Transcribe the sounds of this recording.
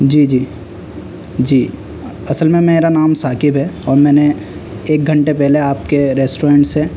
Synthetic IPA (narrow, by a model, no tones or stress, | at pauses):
d͡ʒiːd͡ʒiː | d͡ʒiː | ɐsəlmẽmeeːɾanaːmsaːkɪbɦɛɔːɾmɛ̃ːne | eːk̚ɡʱə̃ɳʈepɛɦleaːp̚keɾɛːsʈoɾẽːɳʈse